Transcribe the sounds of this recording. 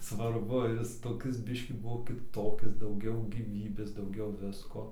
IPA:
sʋɐrˈbʊ ˈjɪs toːˈkʲɪs ˈbʲɪʃʲkʲiː ˈbʊʋoː kʲɪˈtoːkʲɪs dɐʊˈɡʲɛʊ ɡʲiːˈʋʲiːbʲeːs dɐʊˈɡʲɛʊ ˈʋʲɪskoː

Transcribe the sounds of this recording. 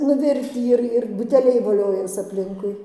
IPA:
nʊˈʋʲɪrʲtʲiː ˈɪr ɪr bʊtʲɛˈlʲɛɪ ʋoːˈlʲoːjɛs ɐpʲˈlʲɪŋkʊɪ

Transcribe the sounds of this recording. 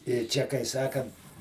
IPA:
ɪr ˈt͡ʃʲɛ kɐɪ ˈsɑːkɐnt

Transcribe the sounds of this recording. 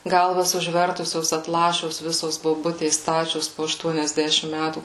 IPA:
ˈɡɐlˠʋɐs ʊʒʲˈʋʲɛrtʊsʲoːs ɐtˈlˠɑːʃʲoːs ˈʋʲɪsoːs boːˈbʊtʲeːs ˈstɑːt͡ʃʲoːs poː ɐʃˈtuɔnʲɛzʲˌdʲæːʃʲɪm ˈmʲætuː

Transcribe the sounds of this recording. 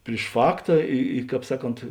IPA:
pʲrʲɪʃ ˈfɑːktɐ ɪ ɪ ˈkɑːp ˈsɑːˌkoːnt

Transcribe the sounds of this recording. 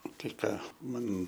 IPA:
ˈtɐɪ ˈkɑː ˈmɐn

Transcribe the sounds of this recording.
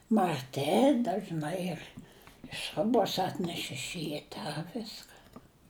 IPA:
mɐrʲˈtʲɪ dɐʒˈnɐɪ ɪr ˈsrʊboːs ˈɑːtʲnʲɛʃ ɪʃ ˈrʲiːtɐ ˈʋʲɪskɐ

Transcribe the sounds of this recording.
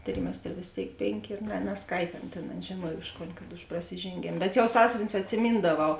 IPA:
ˈtʲrʲɪmʲɛsʲtʲrʲɛ ʋʲeːs ˈtʲeːɪk ˈpʲeːŋʲˌkʲeː ˈiːr nʲɛ nʲɛsˈkɐɪtʲeː ˈɑːnɐ tʲeːn ˈɑːnɐ ʒʲeːˈnuɔj ˈʊʃ ˌkoːn kɐt ʊʃ prɐsʲɪʒʲeːŋʲˈɡʲeːm bʲɛt jɛʊ ˈsɑːsʲʊʋʲɪnʲʊs ɐtʲsʲɪˈmʲiːndɐˌʋɐʊ

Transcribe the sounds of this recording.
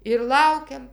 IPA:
ɪr ˈlˠɐʊkʲɛm

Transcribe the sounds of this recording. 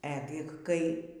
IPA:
ˈæːɡʲɪk kɐɪ

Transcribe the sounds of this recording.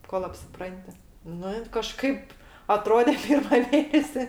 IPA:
koːlˠ ɐpʲsʲɪˈprɐnʲtʲɪ ˈnʊ ɪn kɐˈʃkɐɪp ɐˈtroːdʲeː ˈpʲɪrmɐ ˈmʲeːnʲɛsʲɪ

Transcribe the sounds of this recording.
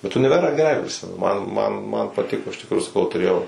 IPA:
bʲɛt ʊnʲɪˈʋʲæːrɑː ɡʲɛˈrɐɪ pʲrʲɪˈsʲɪmʲɛnʊ ˈmɐn ˈmɐn mɐn pɐˈtʲɪkoː ɪʃ tʲɪkˈruːjʊ sɐˈkɐʊ tʊˈrʲeːjɛʊ

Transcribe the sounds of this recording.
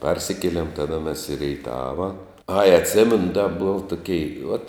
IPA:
ˈpɐrʲsʲɪkʲiɛlʲeːm ˈtɑːdɐ mʲɛs ɪ rʲɛɪˈtɑːʋɐ ɐɪ ɐtʲˈsʲeːmʲɛnʊ dɐ boːw toːˈkʲɛɪ uɔt

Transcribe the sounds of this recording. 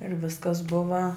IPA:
ɪr ˈʋʲɪskɐs ˈbʊʋɐ

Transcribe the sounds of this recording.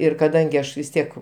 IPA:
ˈɪr kɐˈdɐŋʲɡʲɪ ˈɐʃ ʋʲɪs ˈtʲiɛk

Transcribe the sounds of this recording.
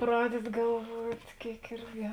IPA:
ˈprɑːdʲɛdʲɪ ɡɐlˠˈʋuɔtʲ ˈkʲeːɪk ˈɪrʲɡʲɪ

